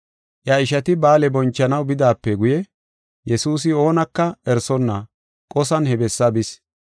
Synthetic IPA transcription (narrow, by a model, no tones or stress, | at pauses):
ʔjɐɪʃɐt̪ɪbaːlɛbɔnt͡ʃːɐnɐwbɪd̪aːpːɛɡʊjɛ | jɛsuːs̬ɪo̞ːnɐkːɐɛɾsɔnːɐ | kʼɔsɐnhɛbɛsːɐbɪs